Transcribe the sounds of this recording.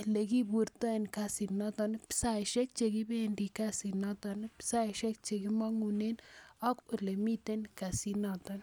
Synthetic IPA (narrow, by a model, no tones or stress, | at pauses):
leɡibuɾt̪aenkasinat̪anpsajʃek̚t͡ʃeɡibenɖikasinat̪anpsaiʃek̚t͡ʃeɡimaŋunenakulemit̪enkasinat̪an